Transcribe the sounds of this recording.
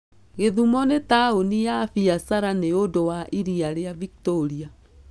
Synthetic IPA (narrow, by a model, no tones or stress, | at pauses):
ɣeðumɔnetaonijafiasaɾaneodowaʔiɾiaɾeaviktoɾia